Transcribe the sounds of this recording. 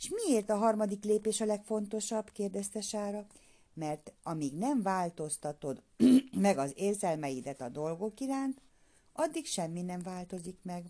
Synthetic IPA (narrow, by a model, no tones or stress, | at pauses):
eʃmieːrt̪ɒɦɒrmɒd̪ikleːpeːʃɒlɛkfo̞nt̪o̞ʃɒbkeːrd̪ɛst̪ɛʃaːɾɒ | mɛrt̪ɒmiːɡnɛɱvaːlt̪o̞st̪ɒt̪o̞d̪ | mɛɡɒzeːrzɛlmɛjid̪ɛt̪ɒd̪o̞lɡo̞kiɾaːnt̪ | ɒd̪ːikʃɛmːinɛɱvaːlt̪o̞zikmɛɡ